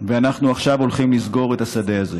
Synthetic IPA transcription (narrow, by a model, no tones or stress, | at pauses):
veanaχnuaχʃavo̞lχimlizɡo̞ʁe̞t̪asad̪e̞aze